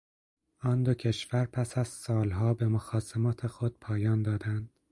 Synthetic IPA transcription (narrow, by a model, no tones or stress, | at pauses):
ɒːnd̪ocʰe̞ʃvæɾpʰæsæzsɒːlɦɒːbemoxɒːsemɒːt̪ʰexo̞d̪̥̚pʰɒːjɒːnd̪ɒːd̪ænd̪̥